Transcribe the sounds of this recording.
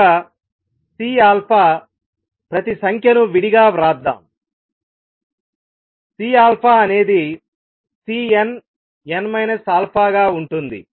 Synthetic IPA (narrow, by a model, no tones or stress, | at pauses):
a | siːaːlpʰaː | pɾɐt̪isɐŋkʰjɐnuʋiɽiɡaːɾaːd̪ːa̰ːm | siːaːlpʰaːɐne̞ːd̪i | siːen | jenmɐjnɐsaːlpʰaːɡaːuɳʈund̪ḭ